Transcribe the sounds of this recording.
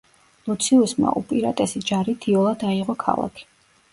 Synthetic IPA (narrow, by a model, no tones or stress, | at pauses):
lˠɔt̪sʰiɔsma̰ʔṵpʼiɾat̪ʼɛsid͡ʒaɾit̪ʰiɔlˠad̪aiʁɔkʰa̰lˠa̰kʰi̥